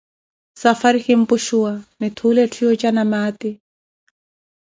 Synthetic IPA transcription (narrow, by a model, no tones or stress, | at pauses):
safaɾhimpʊʃuwanɪt̪ʰuːlɛtʰijɔt͡ʃanamaːt̪i